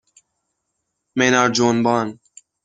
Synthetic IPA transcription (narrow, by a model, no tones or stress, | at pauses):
meːnaːɾd͡ʒoːnbaːn